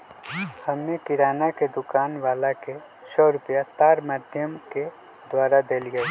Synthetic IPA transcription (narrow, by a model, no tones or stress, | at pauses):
hɐmːẽkɪɾaːnaked̪ʊkaːnʋaːlake | sɔːɾʊpjat̪aːɾmaːd̪ʱjəmke | d̪waːɾad̪eliɡɐi